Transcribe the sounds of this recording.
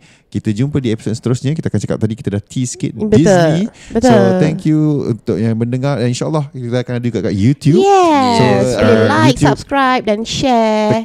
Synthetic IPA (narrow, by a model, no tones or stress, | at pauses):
kit̪əd͡ʒumpədiepi̥sot̚sə̥t̪əɾʊsɲakit̪akant͡ʃaka̰p̚t̪adikit̪adat̪ʰiskḭt̪̚disnĩbtsot̪ɛ̃ŋkjuṵnt̪ʊk̚jaŋməndəŋaɾdaninʃalːɔhkit̪aakanadud͡ʒuɡaka̰jut̪jujɛsoilajk̚sab̚skɹajp̚dɛ̃nʃɛ